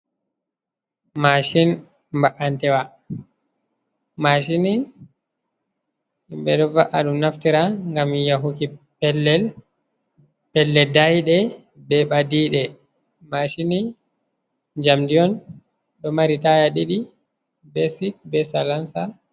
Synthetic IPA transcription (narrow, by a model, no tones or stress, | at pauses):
maʃin | mbaʔantɛwa | maʃini | mbɛɗɔvaʔa̰ɗumnaftiɾaŋɡamjaɦukipɛlːɛl | pɛlːɛdajɗɛ | bɛɓadiːɗɛ | maʃini | d͡ʒamdiɔn | ɗɔmaɾitajaɗiɗi | bɛsik̚bɛsalansa